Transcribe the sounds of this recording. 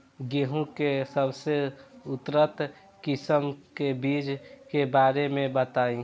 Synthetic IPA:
ɡeɦũkesəbseʊt̪ɾət̪ | kɪsəmkebiːd͡ʒkebaːɾemẽbət̪aːĩ

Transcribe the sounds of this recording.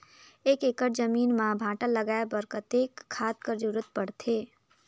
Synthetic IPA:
eːkekəʈ̚d͡ʒəmiːnmãbʱãːʈəlːəɡaːebəɾkət̪ekʰːaːd̪̚kəɾd͡ʒuɾət̪̚pəɽt̪ʰe

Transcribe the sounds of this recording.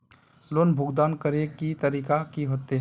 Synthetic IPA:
loːnbʱʊɡd̪aːnkəɾekit̪əɾiːkakiɦoːt̪eɦ

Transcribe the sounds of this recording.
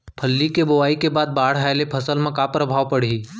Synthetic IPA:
pʰəlːikebʊʋaːikebaːd̪̚baːɽ̤ɦaːjlepʰɐsəlmẽkaːpɾəbʱaːʋpɐɽ̤iː

